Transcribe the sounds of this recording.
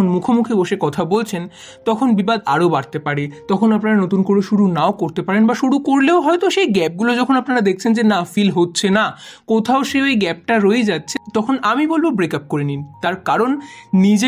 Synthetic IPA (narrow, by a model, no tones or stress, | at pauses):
onmukʰomukʰiboʃekɔt̪ʰabolt͡ɕʰen | t̪ɔkʰonbibad̪a̰ɾobaɽt̪epaɽet̪ɔkʰonapnaɾanot̪unkoɾeʃuɾunaokoɾt̪epaɾenbaʃuɽukoɾleoɦɔet̪oʃejɡɛp̚ɡulod͡ʑɔkʰonapnaɾad̪ekʰt͡ɕʰend͡ʑenafilɦotːɕʰenakot̪ʰaoʃeejɡɛp̚ʈaɾoed͡ʑatːɕʰe̥t̪ɔkʰonamibolbobɾekap̚koɾinint̪aɾkaɾonnid͡ʑe